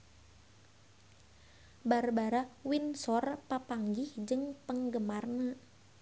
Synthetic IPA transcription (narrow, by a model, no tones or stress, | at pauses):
barbaɾawinsɔrpapaŋɡihd͡ʒɨŋpəŋɡəmarna